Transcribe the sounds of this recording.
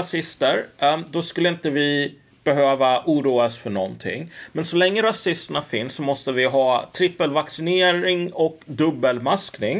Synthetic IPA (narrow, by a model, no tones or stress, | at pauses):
asɪst̪əɾd̪ɔskɵlːəɪnt̪əvɪ | b̥ɛɦøːvaʔuːɾuːasfœɳɔ̰nːt̪ʰɪ̰ŋːmɛnsɔlɛŋːəɾasɪst̪əɳafɪnsːɔmɔst̪əvɪɦɑːt̪ʰɾɪpːəlvaksɪneːɾɪŋɔkd̪ɵbːəlmasknɪŋ